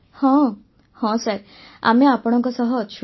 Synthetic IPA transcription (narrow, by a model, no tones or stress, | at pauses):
hɔ̃ | hɔ̃səɾ | a̰mẽapɔɽ̃ɔ̃ŋkɔsəɦɔːt͡ʃʰ